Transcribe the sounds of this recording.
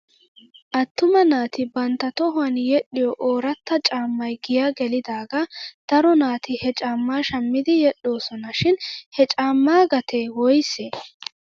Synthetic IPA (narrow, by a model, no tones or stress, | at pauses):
ʔɐt̪ːʊmɐnaːt̪ɪbɐnt̪ːɐt̪ɔɦʊɐnjɛɗːɪjɔʔoːɾɐt̪ːɐt͡ʃʼaːmːɐjɡɪjaɡɛlɪd̪aːɡɐd̪̥ɐɾɔnaːt̪ɪhɛt͡ʃʼaːmːaːʃɐmːɪd̪ɪjɛɗo̞ːsɔnɐʃɪnhɛt͡ʃʼaːmːaːɡɐt̪ʰewɔjseː